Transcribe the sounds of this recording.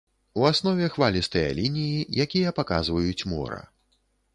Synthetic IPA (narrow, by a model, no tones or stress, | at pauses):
uasnɔvʲɛxvalʲist̪ɐjɐ̰lʲinʲijijakʲijɐpaka̰zvɐjut͡sʲmɔ̰ɾɐ̰